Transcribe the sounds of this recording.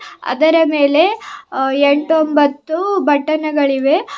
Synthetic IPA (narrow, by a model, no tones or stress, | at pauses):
ɐ̰d̪ɐɾɐme̞ːle̞ | eɳʈombɐt̪ːubʱɐʈːɐnɐɡɐɭiʋe̞